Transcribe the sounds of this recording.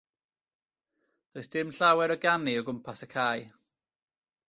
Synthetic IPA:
d̥oːɨsd̥ɪmɬawɛɾɔɡaniɔɡʊmpʰasəkʰaːj

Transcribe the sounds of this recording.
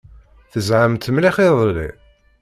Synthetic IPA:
θəzʕəmt̪əmliχeðˤlḭ

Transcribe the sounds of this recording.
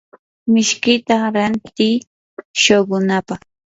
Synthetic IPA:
mɪʃkɪt̪aɾant̪ij | ʃoɢʊnapɑχ

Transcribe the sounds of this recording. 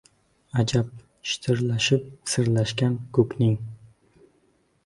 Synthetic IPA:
ad͡ʒap̚ | ʃɪ̥t̪ʰɪɾlaʃɪp̚sɪɾlaʃkʲankʰɵknɪŋ

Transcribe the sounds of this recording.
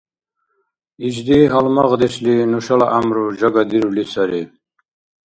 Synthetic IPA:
id͡ʒd̪iɦalmaʁd̪ɛʃlinuʃalaʔamɾud͡ʒaɡad̪iɾulisaɾi

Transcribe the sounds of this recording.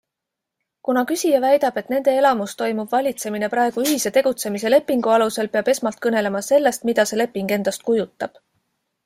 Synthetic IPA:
kunɑkysʲijɑvæjd̪̥ɑb̥e̞t̪ne̞nd̪̥e̞e̞lɑmust̪o̞jmub̥vɑlʲit̪se̞mine̞pɾɑeɡ̥uyɦise̞t̪e̞ɡ̥ut̪se̞mise̞le̞pːˑiŋɡ̥uɑluse̞lpe̞ɑb̥e̞smɑlt̪̚kɤne̞le̞mɑse̞lːe̞st̪mid̪̥ɑse̞le̞pːˑiŋɡ̥e̞nd̪̥ɑst̪̚kujut̪ːˑɑb̥

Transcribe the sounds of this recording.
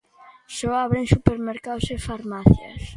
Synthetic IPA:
sɔaβɾẽŋsupeɾmeɾkawsefaɾmaθjɐ̰s

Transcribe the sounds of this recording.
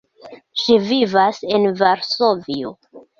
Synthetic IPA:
ʃivivase̞nvaɾsovio

